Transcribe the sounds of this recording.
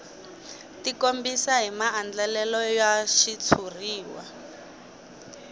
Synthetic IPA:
tikombisaɦimaːnd͡ɮɛlɛlɔjaʃit͡sʰuriːwa̰

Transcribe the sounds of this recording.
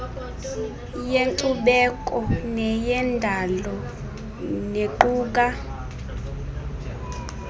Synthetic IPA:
jeŋǀuɓɛkʼɔnɛjɛndʱalɔ | neǃuːk̬a

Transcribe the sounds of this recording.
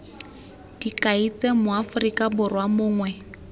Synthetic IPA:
d̥ikʼait͡sɛmʊafʊrikʼabʊrwamʊːŋwɛ

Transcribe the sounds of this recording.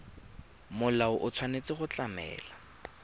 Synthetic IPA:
mʊlaʊʔʊt͡sʰwanet͡sɪχʊt͡ɬamɛ̰ːla

